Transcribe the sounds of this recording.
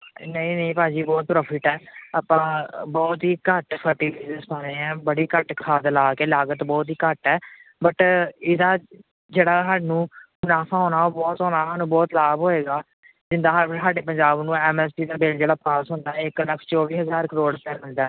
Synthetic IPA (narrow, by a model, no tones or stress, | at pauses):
nəĩːnəĩːpaːd͡ʒiːbɔːt̪̚pɾɔːpʰɪʈɛːəpãːbɔːt̪ɦiːkəʈpʰəɾʈiːbiːzəspãːɾeːɛ̃ːbəɽiːkəʈkʰaːd̪laːkeːlaːɡət̪bɔːt̪ɦiːkəʈɛːbəʈɪd̪aː | d͡ʒeːɽaːɦaɖnũːɡʊnaːpʰaːɦoːnaːoːbɔːt̪ɦõːnaːɦaːnũːbɔːt̪laːbɦoːeːɡaː | d͡ʒɪnd̪aːɦɦaːɖeːpəɲd͡ʒaːbnũːɛːmɛːspiːd̪aːbɪld͡ʒeːɽaːpaːsɦʊ̃nd̪aːɛɪkləkʰt͡ʃɔːʋiːɦəzaːɾkəɾoːɽpɛːmɪ̃ɳd̪aː